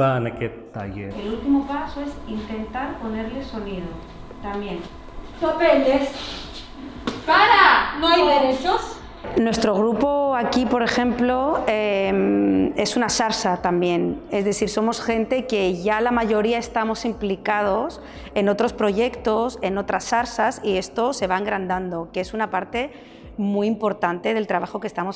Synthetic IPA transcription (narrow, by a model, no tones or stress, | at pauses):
anaket̪a̰ʝḛɾelult̪imo̞paso̞e̞sint̪e̞nt̪aɾpo̞ne̞ɾle̞so̞niðo | t̪amje̞n | d̪opend̪es | kaɾanoajðeɾet͡ʃos | nwe̞st̪ɾo̞ɣ̞ɾupo̞akipo̞ɾe̞xe̞mplo̞eme̞sunasaɾsat̪ambje̞ne̞zðe̞θiɾso̞mo̞sxẽ̞nt̪e̞ke̞ʝalamaʝo̞ɾiae̞st̪amo̞simplikað̞o̞s | e̞no̞t̪ɾo̞spɾo̞ʝe̞kt̪o̞se̞no̞t̪ɾasːaɾsasie̞st̪o̞se̞β̞aeŋɡɾand̪and̪o̞ke̞sunapaɾt̪e̞ | mujimpo̞ɾt̪ant̪e̞ð̞e̞lt̪ɾaβaxo̞ke̞st̪amo̞s